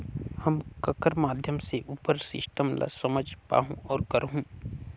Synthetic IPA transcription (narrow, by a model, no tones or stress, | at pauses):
hɐmkɐkəɾmaːd̪ʱjəmseʔupəɾsɪ̰sʈəmlʔa̰sɐməd͡ʒʱpa̰ːɦũʔɔːɾkəɾɦũ